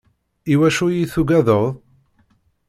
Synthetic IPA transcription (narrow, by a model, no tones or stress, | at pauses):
iwæʃujiθuɡæðəðˤ